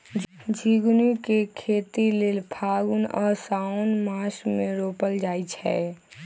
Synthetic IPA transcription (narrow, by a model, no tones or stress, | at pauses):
d͡ʒʱiɡnukekʰeːt̪ileːlpʰaːɡunɔːɾsaʊnmaːsmẽɾoːpəld͡ʒaːit͡ʃʰɛ̰